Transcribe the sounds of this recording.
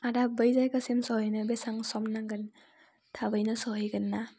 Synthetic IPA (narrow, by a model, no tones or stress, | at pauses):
adabɯjzajkasimsɔhɯjnɯbesaŋsɔmnaŋɡɯn | tʰabɯjnɯsɔɦɯjɡɯnːa